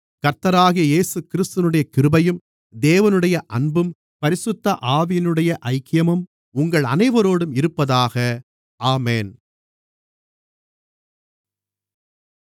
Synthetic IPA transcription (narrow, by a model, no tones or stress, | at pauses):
kɐɾt̪ɐɾaːɣɪjɐjeːsɯkɪɾɪst̪ɯʋnɯɽɐjɐkɪɾɯbɐjɯm | d̪eːʋɐnɯɽɐjɐʔɐnbɯm | pɐɾɪsɯt̪ːɐʔaːʋɪjɪnɯɽɐjɐʔɐɪkːɪjɐmɯm | ʊŋɡɐɭɐ̰nɐɪʋɐɾoːɽɯmɪɾɯpːɐðaːɣɐ | aːmeːn